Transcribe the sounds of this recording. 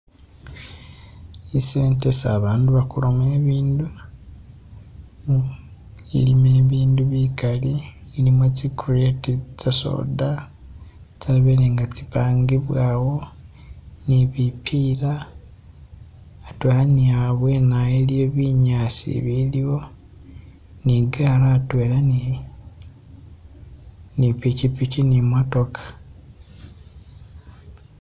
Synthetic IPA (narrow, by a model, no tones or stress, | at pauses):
ise̞ːnte̞sa̰ːβaːnduβakulomeːβiːndu | ḭlimeːβiːnduβikaliilimet͡ʃikuretit͡saso̰da | t͡saβeleːŋɡat͡si̥paːŋɡiβwaːwo̞ | niβipʰila | twelaniaβwenajelijoβiɲasḭβilio̞ | niɡaɾaːtwelani | nipicipit͡ʃinimoto̞kʰḁ